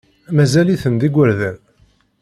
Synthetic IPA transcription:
mæzæliθənd̪iɡʷwəɾðæn

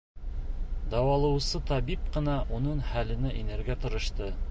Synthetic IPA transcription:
d̪ɑwɑlˠɤ̆wsɤt̪ɑβip̚qɤ̆nɑʔunɤɴhælɘ̆nɘʔinæɾɡæt̪ŏɾɤ̆ʃt̪ɤ

